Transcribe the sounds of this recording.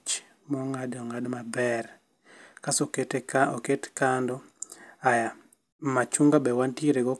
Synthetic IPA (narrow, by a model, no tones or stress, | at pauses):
t͡ʃ | mɔŋadɔŋadmabɛr | kasɔketɔketkandɔaja | mat͡ʃuŋɡabɛwantieɾeɡɔ